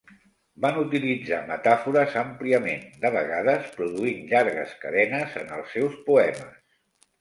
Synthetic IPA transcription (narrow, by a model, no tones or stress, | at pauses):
banut̪ilid͡zamət̪afuɾəzəmpliəmend̪əβ̞əɣaðəspɾuðuinʎaɾɣə̰skəðɛnəzə̰nə̰lˠsːɛwspuɛməs